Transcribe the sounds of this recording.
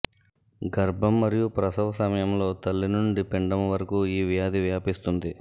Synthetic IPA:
ɡɐɾbʱɐmːɐɾijupɾɐsɐʋɐsɐmɐjɐmlo̞ːt̪ɐlːinuɳɖipeɳɖɐmʋɐɾɐkuiːʋjaːd̪iʋjaːpist̪und̪i

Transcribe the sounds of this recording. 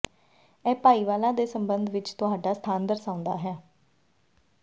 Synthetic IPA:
ɛːpaːiːʋaːlãːd̪eːsəmbənd̪ʋɪt͡ʃt̪ʊɦaːɖaːst̪ʰaːnd̪əɾsãːʊ̃nd̪a̰ːɦɛː

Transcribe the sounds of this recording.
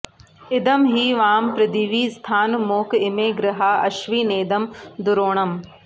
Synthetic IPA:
ɪd̪ɐmɦiːʋaːmpɾɪd̪iːʋiːst̪ʰaːnmoːkɪmeːɡɾɪɦaɐʃʋiːneːd̪ɐmd̪ʊɾoːɳ̃ɐm

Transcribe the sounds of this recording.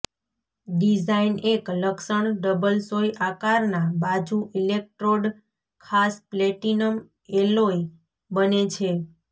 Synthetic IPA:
ɖid͡ʒainekləksəɳɖəbəlsojʔakaɾnabad͡ʒuʔilek̚ʈɾoɖ | kʰaspleʈinəm | eloj | bənet͡ʃʰe

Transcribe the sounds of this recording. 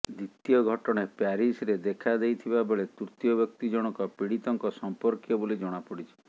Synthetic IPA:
d̪it̪ijɔɡʱɔʈɔɽ̃epaɾisɾed̪ekʰad̪ejt̪ʰibabeɭet̪uɾt̪jɔbjɔkt̪id͡ʒɔɽ̃ɔkɔpiɽit̪ɔŋkɔsɔmpɔɾkjɔbolid͡ʒɔɽ̃apɔɽit͡ʃʰi̥

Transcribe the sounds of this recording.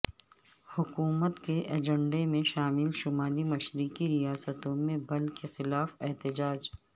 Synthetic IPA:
hʊkuːmət̪keʔeːd͡ʒə̃ɳɖemẽʃaːmɪlʃʊmaːlimɐʃɾikiɾijaːsət̪õmẽbɐlkʰexɪlaːfɛɦt̪ɪd͡ʒaːd͡ʒ

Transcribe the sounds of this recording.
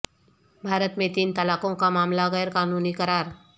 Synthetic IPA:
bʱaːɾət̪mẽt̪iːnt̪ɐlaːkõkamaːmlaɣɛːɾkaːnuːnikɐɾaːɾ

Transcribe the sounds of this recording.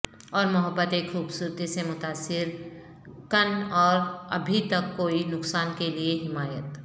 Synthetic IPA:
ɔːɾmʊɦəbːət̪exʰuːbsuːɾt̪isemʊt̪aːsːɪɾ | kənɔːɾɐ̰bʱit̪ɐkːoːinʊksaːnkelieɦɪmaːjət̪

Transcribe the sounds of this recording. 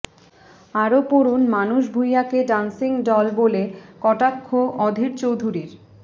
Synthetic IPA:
aɾopoɾunmanuʃbʱujakeɖansiŋɖɔlbolekɔʈakʰːoʔɔd̪ʱiɾt͡ɕowd̪ʱuɾiɾ

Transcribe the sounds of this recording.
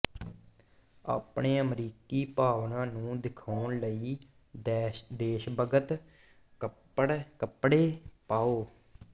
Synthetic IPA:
a̰ːpɳeːəmɾiːkiːpaːʋnãːnũːd̪ɪkʰaːnləiː | d̪eːʃbəɡət̪ | kə | əɽkəpːɽeːpaːoː

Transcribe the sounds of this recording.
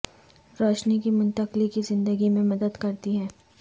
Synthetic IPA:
ɾɔːʃnikimʊ̃nt̪əqlikizɪ̃nd̪əɡimẽmɐd̪əd̪kɐɾt̪iɦɛː

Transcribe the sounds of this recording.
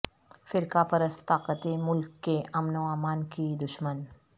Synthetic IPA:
fɪɾkapɐɾəst̪aːqət̪emʊlkːeʔɐmnoaːmaːnkid̪ʊʃmən

